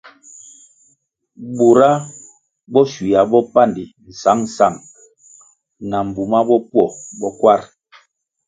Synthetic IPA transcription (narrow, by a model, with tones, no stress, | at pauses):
bu˨ɾa˦ | bɔ˦swi˨a˨bɔ˦pa˦˨ndi˨n̩˨sa˨˦ŋn˨sa˦˨ŋ | na˨m̩˨bu˨ma˦bɔ˦pwɔ˨bɔ˦kwa˦ɾ